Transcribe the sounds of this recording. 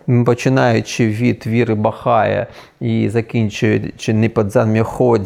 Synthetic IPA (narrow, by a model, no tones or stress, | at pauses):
pɔt͡ʃɪnɑjʊt͡ʃɪʋʲit̪ʋʲiɾɪbɐxɑjɛ̰ | izɐkʲinʲt͡ʃʊjʊt͡ʃɪnɪpɐd̪zɑnmʲɛxɔdʲ